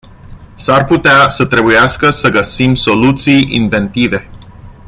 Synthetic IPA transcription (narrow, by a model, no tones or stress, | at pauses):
sarput̪easət̪ɾe̞bujaskəsəɡəsimso̞lut̪sijḭnve̞nt̪ive̞